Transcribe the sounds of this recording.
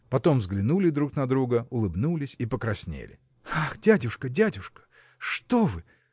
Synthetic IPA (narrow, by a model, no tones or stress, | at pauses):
pɐt̪o̞mvzɡlʲɪnulʲɪd̪ɾuknɐd̪ɾuɡəʊlˠɨbnulʲɪsʲipəkɾɐsʲnʲḛlʲɪ̰ | axdʲædʲʊʂkədʲædʲʊʂkə̥ | ʂt̪ovɨ